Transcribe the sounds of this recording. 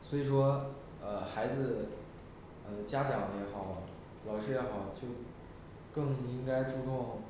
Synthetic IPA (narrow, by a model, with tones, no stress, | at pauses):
swɔ˧˥i˨˩ʂwɔ˥ | ə˧xa˧˥ɪd͡zɹ̩˧ | ə˧t͡ɕja˥ʈ͡ʂɑ˨˩˦ŋjɛ˧˥xɑ˨˩˦ʊ | lɑ˨˩ʊʂɻ̩˥jɛ˧˥xɑ˨˩˦ʊt͡ɕjo˥˧ʊ | kɤ˥˩ŋi˥ŋka˥ɪʈ͡ʂu˥˧t̪ʊ˥˩ŋ